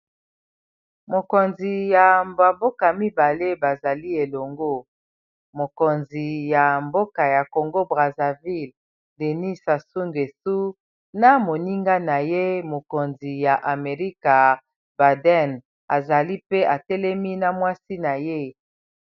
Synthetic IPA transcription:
mo˨ko˨nzi˨ja˨mba˨bo˦ka˨mi˦ba˨le˦ba˨za˨li˦e˨lo˨ŋɡo˦ | mo˨ko˨nzi˨ja˨mbo˦ka˨ja˨ko˨ŋɡo˦bʁa˨za˨vi˦˨l | de˨ni˦sa˨su˦ŋɡe˨su˦ | na˦mo˨ni˦ŋɡa˦na˨je˦mo˨ko˨nzi˨ja˨ʔa˨me˨ʁi˦ka˨ | ba˨dɛ˦˨n | a˨za˨li˦pe˦ʔa˨tɛ˦lɛ˦mi˦na˨mwa˦si˦na˨je˦

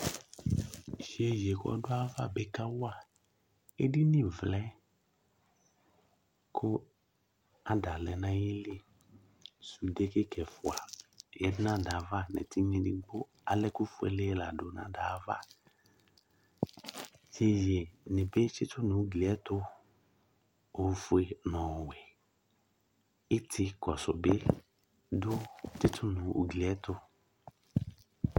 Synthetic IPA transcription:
ʒe˨je˨kɔ̰˦ɖo˦a˦va̰˦be˦ka˦wo˦a˨ | e˦di˦nĩ˦vlɛ˦ | kʰo˦ | a˨ɖa˨lɛ˨nã˦je˦li˦ | su˨de˦ke˦kɛ˨fo˨a˨jɛ˨dnã˦da˨va˦nɛ̰˨t̪i˦ɲẽ˨di˦ɡ͡bo˦ | a˨lɛ˦ku˦fu˨˦ɛ̰˨le˦la˨dʊ˨nã̰˦da˨˦va̰˦ | je˦je˨nɛ̃˨be˦t͡ʃɪ˦t̪ʊ˦nʊ̃˨u˦ɡli˨ɛ˦t̪ʊ˦ | o˨˦fu˦e˨nɔ̃˨wɛ˨ | ɪ˦tʰɪ˦kɔ˨sʊ˨be˦ | dʊ˦tɪ˦tʰʊ˦nʊ̃˨ṵ˨ɡli˨ɛ˦t̪ʊ˦

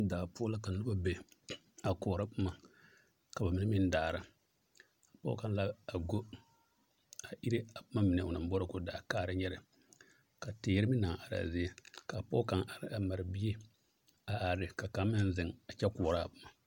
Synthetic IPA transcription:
daː˨pʊ˦ɔ˦la˦ka˨n˨lu˦ba˦be˨ | a˨kɔː˨ɾa˦pɨ˦ma˨ | ka˨ba˨mi˨nɛ˦mɪ˦n˦daː˨ɾa˦ | a˨pɔ̰˦ka˨nla˦a˨ɡo˦ | a˨ʔi˦ɾe˦a˨pa˦ma˦mi˨ne˨ʊ˨na˨m˦bɔ˦ɾɨ˦kʊ˦daː˨kaː˦ɾɨ˦ɲɛ˦ɾɪ˨ | ka˨teː˨jɾɪ˦mɪ˦na˨ŋ˨ʔa˨ɾa̰˨zi˦e˦ka˨pɔ̰˦ka˨ŋʔa˨ɾa˨ma˨ɾɪ˨bi˦e˦ | a˨ʔa˨ɾɪ˨ka˨ka˨˦mɪ˦n˦zɪ˨ŋa˨t͡ʃɛ˦kɔ˨ɔ˨ɾa˦˨pa˨˦ma˨

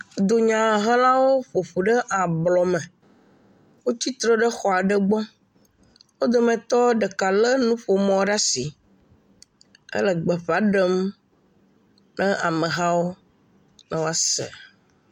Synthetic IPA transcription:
d̪o˨ɲã˨ɦə̃˦lã˦wo˦ɸo˨ɸu˨ɖə˦ʔa˨blɔ˨mɛ̃˨ | wo˦t͡ɕi˦t̪ɾɔ˦ɖə˦xɔ˨a˨ɖə˦ɡ͡bɔ˦ | wo˦d̪o˨mɛ̃˨t̪ɔ˦ɖə˨ka˨lə˦nũ˦ɸo˨mɔ̃˦ɖa˦si˨ | ə̰˦lə˨ɡ͡bɛ˨ɸa˨ɖə˦m | nɛ̃˦ʔa˨mə̃˨ɦã˦wo˦ | nã˦wo˦a˦sɛ̰˨

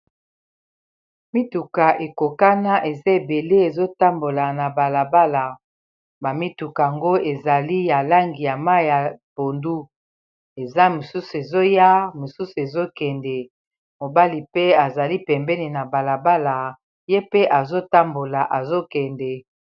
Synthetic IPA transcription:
mi˦tu˨ka˨ʔe˨ko˨ka˦na˦ʔe˨za˦e˨be˨le˦e˨zo˦ta˦mbo˨la˨na˨ba˨la˨ba˦la˨ | ba˨mi˦tu˨ka˨a˨ŋɡo˦e˨za˨li˦ja˨la˦ŋɡi˨ja˨ma˦˨ja˨b̥o˨ndu˦ | e˨za˦mo˨su˦su˨e˨zo˦ja˦mo˨su˦su˨e˨zo˦kɛ˨ndɛ˨ | mo˨ba˦li˨pe˦a˨za˨li˦pɛ˨mbɛ˦ni˨na˨ba˨la˨ba˦la˨ | je˦pe˦ʔa˨zo˦ta˦mbo˨la˨ʔa˨zo˦kɛ˨ndɛ˨

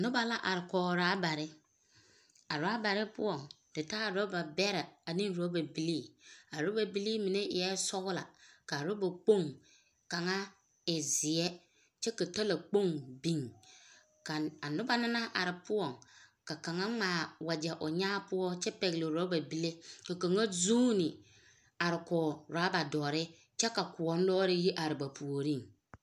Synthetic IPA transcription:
nʊ˦ba˦la˦ʔa˨ɾɪ˨kɔː˨ɾaː˨˦ba˨ɾɪ˦ | a˨ɾa˦ba˨ɾɪ˦pʊ̰˦ɔ˨ŋ | dɪ˨ta˦˨ɾo˦ba˨bɛ˦ɾa˨a˨nĩ˦ŋ˨ɾo˦ba˨bi˦liː˦a˨ɾo˦ba˨bi˦li˦mi˨ne˦ɪ˨jɛ˦sɔ˦ɣʊ˦la̰˨ka˨ɾo˦ba˨k͡po˦˨ŋ | ka˨ŋa˦ | ɪ˨zɪ˨ɛ˦ | t͡ʃɛ˦ka˨to˦la˨k͡po˦˨ŋbi˦ŋ | ka˨a˨nʊ˦ba˦na˦na˦ʔa˨ɾɪ˨pʊ˦ɔ˨ŋka˨ka˨ŋa˦ŋ͡maː˨wa˨d͡ʒɛ˨ʔo˨ɲaː˦pʊ˦ɔ˦t͡ʃɛ˦pɛ˨ɣɪ˨lɪ˨ɾa˦ba˨bi˦le˦ka˨ka˨ŋa˦zuː˦nɪ˨ | a˨ɾɪ˨kɔ˨ɾa˨˦ba˨dɔː˨ɾɪ˦ | t͡ʃɛ˦ka˨kʊ˨ɔ˦n˦dɔː˦ɾɪ˦ji˦ʔa˨ɾɪ˨ba˨pʰu˨o˨ɾi˦˨ŋ

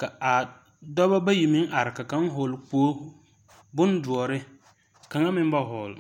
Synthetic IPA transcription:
ka˨a˨ | dɔ˦ba˦ba˦ji˨mɪ˦ŋʔa˨ɾɪ˨ka˨ka˦ŋ˦ɦʊ˨lk͡poː˦ | bʊ˦ndʊ˨ɔ˨ɾɪ˦ | ka˨ŋa˦mɪ˦m˦ba˦ɦɔ˨l

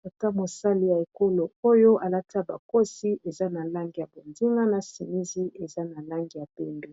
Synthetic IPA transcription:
o˨ta˦mo˨sa˦li˦ja˨e˨ko˦lo˨o˦jo˦ʔa˨la˦ta˦ba̰˨ko˦si˦ʔe˨za˦na˨la˦ŋɡi˨ja˨bo˨ndi˦ŋa˦na˨si˨mi˦zi˦e˨za˦na˨la˦ŋɡi˨ja˨pɛ˦mbe˦

